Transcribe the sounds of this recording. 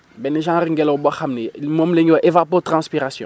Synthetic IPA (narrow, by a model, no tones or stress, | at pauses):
bɛneʒãɾiŋ̩ɡɛlɛobɔxamnilimomuleŋɡewɛʔevapot̪ʁãspiʁasjɔ̰̃